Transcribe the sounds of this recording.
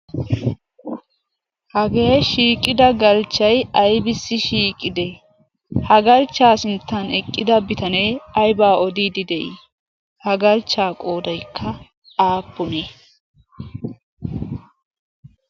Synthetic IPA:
hɐɡe̞ːʃiːkʼɪd̪ɐɡɐlt͡ʃːɐjɐjbɪsːɪʃiːkʼːɪd̪e | hɐɡɐlt͡ʃːaːsɪnt̪ːɐnɛkʼːɪd̪ɐbɪt̪ɐneːɐjbaːɔd̪iːd̪ɪd̪ɛʔi | hɐɡɐlt͡ʃːaːkʼoːd̪ɐjkʰːɐ | aːpːʊneː

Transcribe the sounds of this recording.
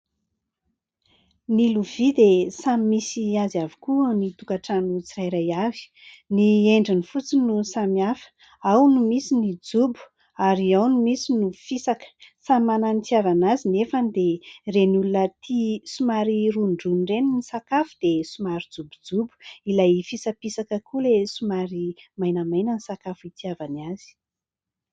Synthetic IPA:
niluvid̪esamimisiazavi̥kuənit̪ukaʈ͡ʂanut͡siɾajɾajavi̥ | nieɳɖ͡ʐinifut͡sinusamiafə̥ | awnumisinid͡zubu̥ | aɾiawnumisinufisakə̥samananit̪iavanazinefanid̪erenulunət̪ʰisumaɾiruɳɖ͡ʐunreninisakafud̪̥esumaɾid͡zubud͡zubu̥ilajfisapisakəkʰulesumaɾimajnəmajnənisakafit̪iavanaz̥i̥

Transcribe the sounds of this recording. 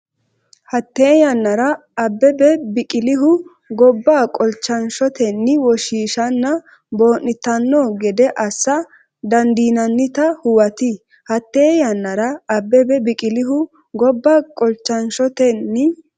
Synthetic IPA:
hɐt̪ːeːjɐnːɐɾɐː | bːɛbɛbɪkʼɪlɪɦʊ | ɡɔbːaːkʼɔlt͡ʃːɐnʃɔt̪ɛnːɪwɔʃiːʃɐnːɐ | bo̞ːnːɪt̪ːɐnːoːɡɛd̪ɛʔɐsːɐ | d̪ɐnd̪iːnɐnːɪt̪ɐhʊwɐt̪ɪ | hɐt̪ːeːjɐnːɐɾɐːbːɛbɛbɪkʼɪlɪɦʊ | ɡɔbːaːkʼɔlt͡ʃːɐnʃɔt̪ɛnːɪ

